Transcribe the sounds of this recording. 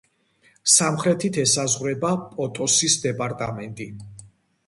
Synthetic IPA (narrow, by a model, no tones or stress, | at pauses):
samχɾɛt̪ʰit̪ʰɛsazʁɾɛbapʼɔt̪ʼɔsisd̪ɛpʼaɾt̪ʼamɛnt̪ʼi